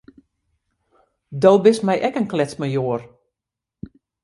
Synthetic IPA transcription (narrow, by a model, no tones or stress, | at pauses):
dowbɪsmɛjʔɛkənklɛt͡sməjoːər